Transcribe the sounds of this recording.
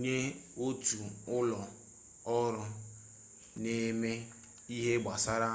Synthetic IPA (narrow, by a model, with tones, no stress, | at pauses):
ɲe˦ | o˦tu˨ʊ˦lɔ˨ | ɔ˦ɾʊ˦ | ne˦me˦ | i˦ɦe˦ɡ͡ba˨sa˦ɾa˦